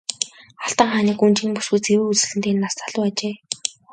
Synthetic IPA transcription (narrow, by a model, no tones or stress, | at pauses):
aɬt̪ə̆ɴχaːniːkunt͡ɕĭŋpusɡujt͡sewɘ̆ut͡sɘ̆ɮɘ̆nt̪eːnːastaɮʊːat͡ɕeː